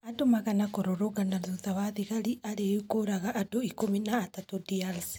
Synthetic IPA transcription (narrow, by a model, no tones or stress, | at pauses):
adomaɣanakoɾoɾoɣanaðuðawaðiɣaɾiʔaɾejukoɾaɣaʔːdoikominaːtatodialsi̥